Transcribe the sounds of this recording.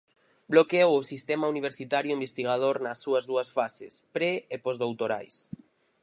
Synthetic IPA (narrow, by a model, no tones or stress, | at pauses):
blokeowʊsist̪ɛmauniβ̞eɾsit̪aɾjʊĩmbest̪iɣ̞að̞oɾnɐsːuɐzðuɐsfasɪ̰spɾeepɔzðowt̪oɾa̰js